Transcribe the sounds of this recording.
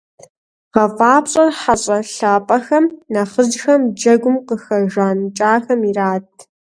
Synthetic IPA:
ʁɐfʼaːpɕʼɐrħaɕʼɐɬaːpʼɐxɐmnɐχəd͡ʒxɐmd͡ʒɐɡʷʊmqəxɐʒʷaːnt͡ʃʼaːxɐmiraːtʼʰ

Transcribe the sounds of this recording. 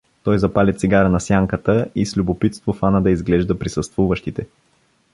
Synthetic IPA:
t̪ɔjzɐpalʲɛt̪siɡaɾənɐsjaŋkət̪əislʲubopit̪st̪vofanəd̪ɐizɡlɛʒd̪əpɾisəst̪vuvəʃt̪it̪ɛ

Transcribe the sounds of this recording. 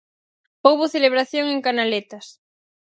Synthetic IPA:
owβoθeleβ̞ɾaθjoŋeŋkanalet̪as

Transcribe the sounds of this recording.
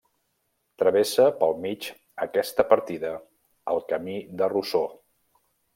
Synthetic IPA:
t̪ɾəβesəpəlˠmit͡ʃ | əkɛst̪əpəɾt̪iðə | əlˠkəmiðəruso

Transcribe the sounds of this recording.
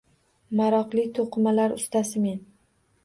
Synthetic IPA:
maɾɒqlˠɪt̪ʰoqʰɨmalaɾʊ̰st̪asɪmen

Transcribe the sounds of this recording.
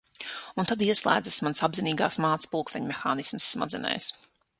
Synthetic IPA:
unt̪ad̪iɛslˠæ̰ːd̪zasmansabziniːɡa̰ːsmaːt̪spulˠkst̪aɲʲmɛxaːnismsːma̰d̪zɛ̰nɛ̰js

